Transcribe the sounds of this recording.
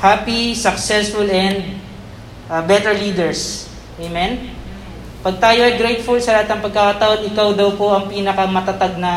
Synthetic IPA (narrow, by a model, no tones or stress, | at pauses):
hapisɐksɛsfʊlɛnd̪̚ | bɛt̪ɛɹliːd̪ɛɹs | ʔejmɛn | pɐɡ̚t̪aːjoɐjɡɾejt̪̚fʊlsɐlɐɦat̪nɐŋpɐɡ̚kakɐt̪ɐʔo̞nɪkawd̪ɐwpo̞ʔɐŋpiːnɐkɐmɐt̪ɐt̪aɡ̚nɐ